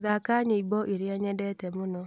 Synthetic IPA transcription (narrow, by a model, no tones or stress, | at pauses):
ðakaɲeibɔʔeɾjɛɲɛdɛtɛmʊnɔ